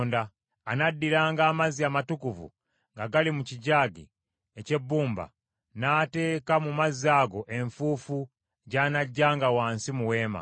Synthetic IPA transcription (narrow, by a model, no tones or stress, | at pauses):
ndaː | nadːiɾaːŋɡaːmaziamatukuvṵ | ŋɡaɡalimuciɟaːɡḭ | ece̞bːuːmba̰ | naːte̞ːkamumazaɡo̞ʔe̞ɱfuːfu | ɟaːnaɟːaːŋɡawaːnsimuwe̞ːma̰